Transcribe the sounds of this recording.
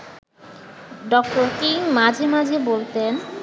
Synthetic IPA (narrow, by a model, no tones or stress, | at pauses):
ɖɔk̚ʈoɾkimad͡ʑʱemad͡ʑʱebolt̪en